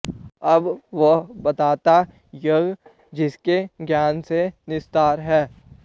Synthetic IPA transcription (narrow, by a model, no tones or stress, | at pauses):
ɐbʋobɐt̪aːt̪a | jəɡ | d͡ʒɪskeɡjaːnsenɪst̪aːɾɦɛː